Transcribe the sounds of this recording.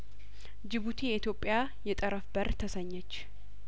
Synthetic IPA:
d͡ʒɪβut̪ʰejɛʔit̪jo̞pʼːɪja | jɛt̪ʼəɾəfbəɾt̪ʰəsəɲːɛt͡ʃː

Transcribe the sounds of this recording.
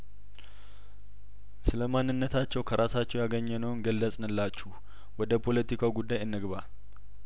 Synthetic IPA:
sɨləmanːɨnːət̪ʰat͡ʃːɛwkʰəɾʔasat͡ʃːɛwjaɡəɲːɛnəwnɡəlːəsʼnɨlːat͡ʃːuh | wɔd̪əpʰo̞lət̪ikʰawɡud̪ːajɨnːɨɡβa

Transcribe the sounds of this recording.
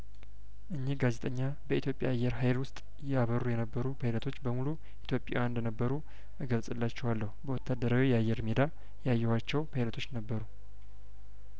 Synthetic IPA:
ʔɨɲːiɡaze̞t̪ʼəɲːa | bəit̪ʰjopʼːjaajːɛɾɦajlwʊst̪ʼ | jɛaβəɾujɛnəbːəɾubʰajlət̪ʰo̞t͡ʃːbəmulu | ʔit̪ʰjo̞pʼːa̰wnd̪ənəbːəɾu | ʔɨɡəlsʼɨlːat͡ʃːɛwalːəhubəwɔt̪ʰːad̪ːəɾawijɛajːɛɾmed̪a | jajːɛhat͡ʃːɛwbʰajlət̪ʰo̞t͡ʃːnəbːəɾu

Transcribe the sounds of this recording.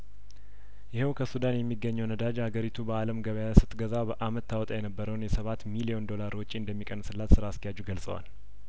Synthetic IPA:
jɪhɛwkʰəsud̪anjɛmːiɡːəɲːəwnəd̪ad͡ʒhaɡəɾit̪ʰubəaləmɡəβəjasɨt̪ʼɡəzabəʔamət̪ːawɔt̪ʼajɛnəbːəɾəwnjɛsəβat̪milio̞nd̪o̞laɾwɔt͡ʃʼːiɨnd̪əmːikʼənːsɨlːat̪sɨɾaskijad͡ʒuɡəlsʼə̰wa̰l

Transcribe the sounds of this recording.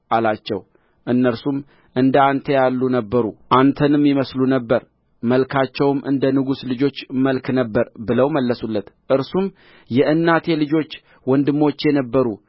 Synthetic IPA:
ʔalat͡ʃːɛw | ʔɨnːəɾsum | ʔɨnd̪əant̪ʰəjalːunəbːəɾuʔant̪ʰənɨmːjɪməslunəbːəɾ | məlkʰat͡ʃːɛwmʔɨ̰nd̪ənɨɡuslɨd͡ʒo̞t͡ʃːməlknəbːəɾbɨləwməlːəsulːət̪ʔɨɾsum | jɛʔɨnːat̪ʰelɨd͡ʒo̞t͡ʃː | wɔnd̪ɨmːo̞t͡ʃːjɛnəbːəɾu

